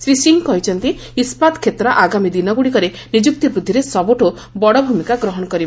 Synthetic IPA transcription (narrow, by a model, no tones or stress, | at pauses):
sɾisiŋkɔɦjt͡ʃʰɔnt̪i | ispad̪kʰet̪ɾɔʔaɡamid̪inɔɡuɽikɔɾe | nid͡ʒuk̚t̪ibɾud̪ʱːiɾesɔbuʈo | bɔɽɔbʱumikaɡɾɔɦɔnɔkɔɾib